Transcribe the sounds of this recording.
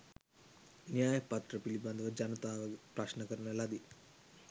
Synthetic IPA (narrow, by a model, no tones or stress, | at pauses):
njaːjɐpɐt̪ɾɐpilibɐnd̪ɐʋɐd͡ʒɐnɐt̪aːʋɐpɾaʂnɐkɐɾɐɳɐlɐd̪i